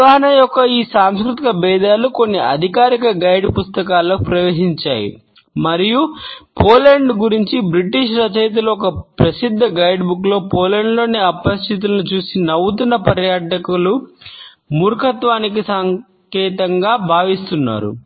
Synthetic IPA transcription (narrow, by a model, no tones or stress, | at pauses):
aːɦɐnɐjɔkːɐiːsaːmskɾut̪ikɐbɛːd̪aːluko̞nːiʔɐ̰d̪ʱikaːɾikɐɡɐjɖpust̪ɐkaːlːoːkpɾɐʋeːʃiɲt͡ʃa̰ːjḭ | mɐɾijupoːlɐɳɖɡuɾiɲt͡ʃibɾiʈiːʂɾɐt͡ʃɐjt̪̬uluɔkɐpɾɐsid̪ʱːɐɡɐjɖbuklo̞ːpoːlɐɳɖlo̞ːniɐpɐst̪it̪̬ulɐnut͡ʃuːsinɐwut̪unːɐpɐɾjaːʈɐkulu | muɾkʰɐt̪ʋaːnik̬isɐŋ | kɛːt̪ɐŋɡaːbʱaːʋist̪unːa̰ːɾṵ